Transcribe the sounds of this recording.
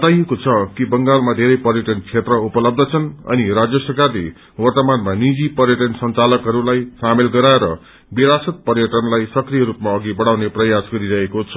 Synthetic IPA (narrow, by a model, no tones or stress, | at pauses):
bʌt̪ajekot͡sʰʌkibʌŋɡalmad̪ʱeɾʌjpʌrjʌʈʌnt͡sʰet̪rʌupʌlʌb̚d̪ʱʌt͡sʰʌnʌ̰niɾad͡zjʌsʌrkarlḛ | wʌrt̪ʌmanmanid͡zipʌrjʌʈʌnsʌnt͡salʌkɦʌɾulajsamelɡʌɾaeɾʌ | biɾasʌt̪̚pʌrjʌʈʌnlajsʌkrijʌɾup̚maʌɡibʌɽawneprʌjasɡʌɾiɾʌɦekot͡sʰʌ̥